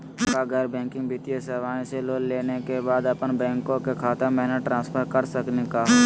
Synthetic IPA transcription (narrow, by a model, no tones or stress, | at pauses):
kaɡəɾbɛ̃ːŋkɪ̃ŋɡbɪt̪ijeseːʋaːẽseloːlleːnekebaːd̪əpənbɛ̃ːŋkõkekʰaːt̪əmɛːnəʈɾãːnspʰəɾkəɾsəknekaː